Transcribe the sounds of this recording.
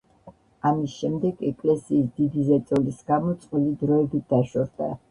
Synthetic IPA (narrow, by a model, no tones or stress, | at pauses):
amisʃɛmd̪ɛɡɛkʼlɛsiːsd̪id̪izɛt̪sʼɔlisɡamɔt̪sʼqʼwilid̪ɾɔɛbit̪̚d̪̥aʃɔɾd̪a̰